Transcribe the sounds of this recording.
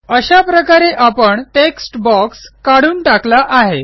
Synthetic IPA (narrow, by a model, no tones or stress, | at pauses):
əɕapɾəkaɾeʔapəɳʈeksʈbɔkskaɽuːnʈaklaʔaɦe